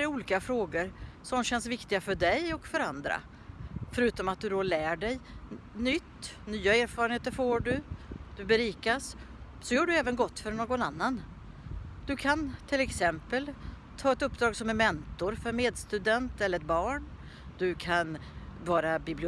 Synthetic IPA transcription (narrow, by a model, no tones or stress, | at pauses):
ɛɾuːliːkafɾoːɡəɾ | sɔmɕɛnsvɪkt̪ɪɡafœɖɛjɔkfœɾand̪ɾa̰ | fœɾʉ̟ːt̪ɔmat̪̚d̪ɵd̪ɔlæːɖɛjnʏt̪ː | nyːaeːɾfɑːɾənheːt̪əɾfoːɖɵd̪̥ɵbɛɾiːkas | sɔjœːɖɵɛːvənɡɔt̪ːfœɾɳoːɡɔnanːan | d̪̥ɵkʰant̪ʰɪlɛksɛmpəl | t̪ʰɑːɛt̪ɵpːd̪ɾɑːɡsɔmɛɾmɛnt̪ʊɾfœɾmeːd̪st̪ʉd̪ɛnt̪ɛlːəɾɛt̪̚bɑːɳ | d̪̥ɵkʰanvɑːɾabɪblɪ